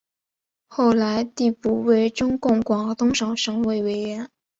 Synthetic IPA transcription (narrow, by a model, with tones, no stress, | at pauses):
xo˥˩ʊla˧˥ɪt̪i˥˧pu˥˩we˥˩ɪʈ͡ʂʊ˥ŋkʊ˥˩ŋkwɑ˨˩ŋt̪ʊ˥ŋʂɑ˨˩ʊʂɤ˧˥ŋwe˥˩ɪwe˧˥ɪɥɛ˧˥n